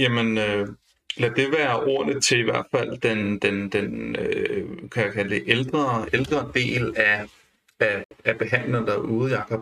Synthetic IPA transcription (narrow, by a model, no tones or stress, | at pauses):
jæmenø | elæd̥e̝ʋæːɐʔoɐ̰nət͡sʰe̝liʋæɐ̰d̥fæl̰d̥end̥end̥enøkʰæjakʰæləd̥e̝ʔeld̥ʁɐeld̥ʁɐd̥e̝̰ːlæ | ææb̥e̝ɦæn̰lɐd̥ɑʔuːð̩ˠiɑ̈kʰɒb̥